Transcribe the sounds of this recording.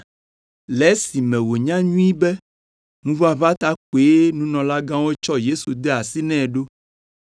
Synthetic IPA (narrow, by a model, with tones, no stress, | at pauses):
lɛ˨˦si˨mɛ̃˨wo˨ɲã˦ɲũ˦i˦bɛ˦ | nũ˦vo˦a˨βa˦t̪a˦k͡po˨e˦nũ˦nɔ̃˨la˦ɡã˦wo˦t͡ʃɔ˦je˦su˨d̪e˦a˨si˦nɛ̃˦˨ɖo˦